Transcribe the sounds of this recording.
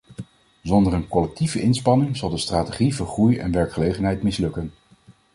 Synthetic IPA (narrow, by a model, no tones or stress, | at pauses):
zɔndərənkɔlɛk̚tivəʔɪnspɑnɪŋzɑlˠdəstraːteχivəɹχrujɛ̰nʋɛɹkχəlejχənɦɛjtmɪslɵkən